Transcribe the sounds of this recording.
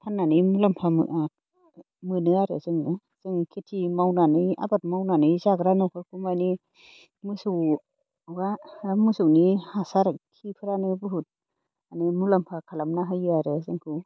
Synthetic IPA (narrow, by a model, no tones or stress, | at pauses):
pʰanːanɯmulampʰam̰ | mɯnɯaɾɯ̰zɯŋnɯ | z̥ɯŋkʰetʰimawnanɯja̰bat̚mawnanɯjzaɡɾanɯwkʰakʰumani | musu | wamusuwnihasaɾkʰipʰɯɾanɯbɯɦut̚ | animulampʰakʰalamnaɦajɯaɾɯzɯŋkʰɯ